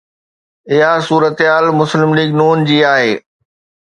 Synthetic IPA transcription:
ɪɦasuːɾət̪ɦaːlmʊslɪmliːɡnuːnd͡ʑiːaːɦeː

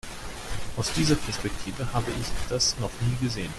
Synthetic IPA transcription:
ʔaʊsd̥iːzɐpʰɛɐspɛk̚tʰiːvəhaːbəʔɪçd̥asnɔχniːɡəzeːən

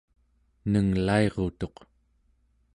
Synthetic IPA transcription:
nəŋlae̞ʁot̪o̞q

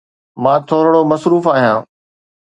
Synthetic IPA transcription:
mãːt̪ʰoːɾɽomɐsɾuːfaːɦijãː

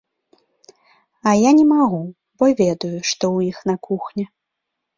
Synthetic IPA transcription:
ɐjanʲɛmaɣu | bɔvʲɛd̪ujuʂt̪ɔwjixnakuxnʲɛ

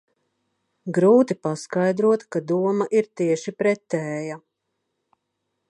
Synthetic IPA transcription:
ɡɾuːt̪ipaskajd̪ɾuɔt̪kad̪uɔmaʔiɾt̪iɛʃipɾɛt̪ːɛːja

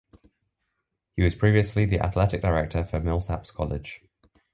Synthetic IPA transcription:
hiwɒz̥pʰɹ̥iːviəsliðiʔa̰θlɛtɪk̚d̥aɪɹɛk̚tʰəfəmɪlˠsa̰pskʰɒlɪ̰d̥ʒ̥

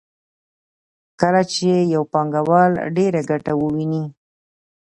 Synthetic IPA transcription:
kəlat͡ʃejawpɑŋɡawɑlɖeɾaɡaʈawəwini

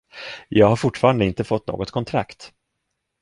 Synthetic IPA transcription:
jɑːɡhaɾfʊʈːfɑːɾand̪əɪnt̪əfɔt̪ːno̰ːɡɔt̪kʰɔnt̪ʰɾa̰kt̪

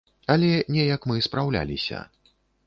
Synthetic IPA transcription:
ɐlʲɛnʲɛjɐkmɨspɾawlʲa̰lʲisʲɐ̰

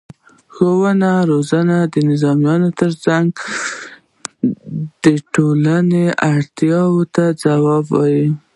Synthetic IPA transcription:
xowənaɾozanad̪ənɪzɑmjɑnot̪əɾt͡saŋɡ | d̪̥əʈolaneʔaɽt̪jɑwət̪ad͡zawɑbwɑ̰ji

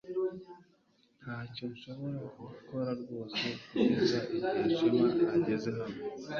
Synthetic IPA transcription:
nnhaːcoɾuʃoβoɾeuɾukoɾaɾɡo̞ːse̞kuizaiiʃimaːɟe̞ze̞ɦame

